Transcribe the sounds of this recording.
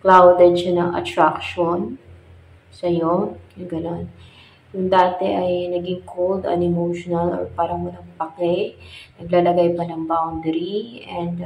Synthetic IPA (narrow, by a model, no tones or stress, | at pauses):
klawd̪ɐd̪ʃanɐŋʔɐ̰t̪ɾakʃon | sɐjoɐɡɐnon | jʊŋd̪aːt̪ɛʔɐjnɐɡiŋkʰold̪ɐ̰nɛmowʃonɐlo̰ɹpaːɾɐmʊnɐŋpɐkɛjnɐɡlaːlɐɡajpɐnɐŋbawnd̪ɛɾiʔɛnd̪